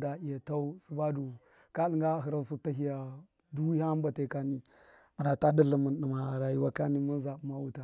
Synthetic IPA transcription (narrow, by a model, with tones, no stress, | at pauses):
da˨i˨ja˨ta˦u˦su˨˦ba˦du˨ | ka˦li˦ŋɡa˦˨ɦi˨ɾa˦su˦ta˦ɦi˦ja˨ | du˦ha˦m˦ba˨ta˨ka˦ni˨ | mə˨na˨ta˦də˦lə˨mə˨nɗə˨ma˨ɾa˨ji˦wa˦ka˦ni˦mu˦n˦za˨bu˦ma˦wu˦ta˨